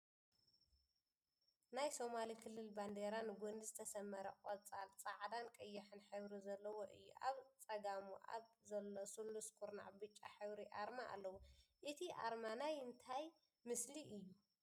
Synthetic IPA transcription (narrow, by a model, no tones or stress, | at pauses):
najso̞malikʰɨlːɨlband̪eɾanɡund̪ɨzɨt̪ʰɐsɐmːɐɾɐkʼot͡sʼalt͡sʼaʕd̪ankʼɨjːɐħɨnħɨβɾizɐlːɐwoʔɨjːṵʔaβt͡sʼɐɡamuʔa̰βzɐlːosulːuskʼuɾna̰ʕbɨt͡ʃʼːa̰ħɨβɾiʔaɾmaʔa̰lːɐwuʔɨt̪ʰiʔa̰ɾmanajɨnt̪ʰaj | mɨsliʔɨjːu